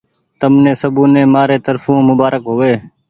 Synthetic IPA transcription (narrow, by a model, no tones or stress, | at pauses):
t̪əmnẽːsəbũːnẽːmaːɾeːt̪əɾfũːmʊbaːɾəkɦoːʋeː